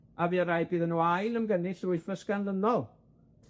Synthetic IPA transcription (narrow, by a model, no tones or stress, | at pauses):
aviaɾajbiːðənuajlˠəmɡənɪɬrʊɨfəskanlənɔlˠ